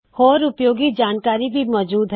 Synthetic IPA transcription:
hoːɾʊpjoːɡid͡ʒaːnkaːɾibʱimɔːd͡ʒuːd̪ɦ

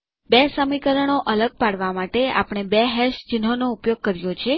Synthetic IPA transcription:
bɛsəmikəɾəɳoʔələɡ̚paɽʋamaʈea̰pəɳ̃ebɛɦɛʃt͡ʃɪnɦonoupjoɡ̚kəɾjot͡ʃʰe

